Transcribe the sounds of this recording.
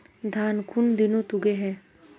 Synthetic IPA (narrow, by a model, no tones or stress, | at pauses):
d̪ʱaːnkʰʊnd̪ɪnõt̪ʊɡeɦɛ̃ː